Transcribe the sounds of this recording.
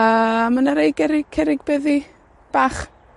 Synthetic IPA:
əmənəɾejɡɛɾɪkʰɛɾɪɡbeði | b̥aːχ

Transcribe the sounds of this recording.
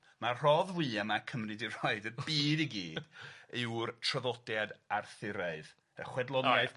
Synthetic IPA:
mar̥ɔðwɨːamakʰəmrɨdir̥ɔɨdəbiːdiɡiːdɪwrtʰrəðɔdjadarθɪɾaɨð | əχwɛdlˠɔna

